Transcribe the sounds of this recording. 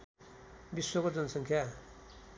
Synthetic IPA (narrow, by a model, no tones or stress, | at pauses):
biswokod͡zʌnʌsʌŋkʰja